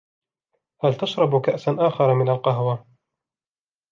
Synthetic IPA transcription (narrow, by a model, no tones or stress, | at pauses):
halt̪aʃɾˤɑbkaʔsanʔaːxɑɾˤmɪnalqaɦwa